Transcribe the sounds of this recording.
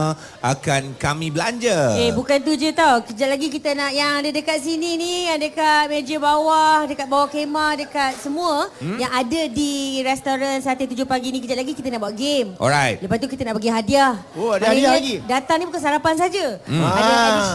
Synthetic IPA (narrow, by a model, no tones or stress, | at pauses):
ʔa̰kankamĩbəlaɲd͡ʒəebukant̪ud͡ʒət̪awkəd͡ʒaʔ̚laɡikit̪ənaʔjaŋadədəkat̪̚sininiadəkamed͡ʒəbawadəkat̪̚bawahkemahdəkat̪̚səmũəjaŋadədiɾɛst̪oɾansat̪it̪ud͡ʒohpaɡinĩkəd͡ʒaʔlaɡikit̪ənaʔbwaʔɡemɔ̰ɾajt̪̚ləpast̪ukit̪ənaʔpəɡiɦadiahoadaaaɡidat̪aŋnibukansaɾapans̬ad͡ʒəada